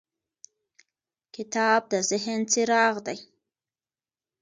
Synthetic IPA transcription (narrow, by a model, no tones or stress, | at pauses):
kitaːb̚d̪azɪɦent͡siɾɑːʁdaj